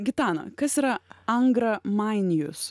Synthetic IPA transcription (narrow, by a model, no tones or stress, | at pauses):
ɡʲɪt̪ɑːnɐ̰kɐsiːɾɐɐŋɡɾɐmɐɪnʲɪjʊ̰s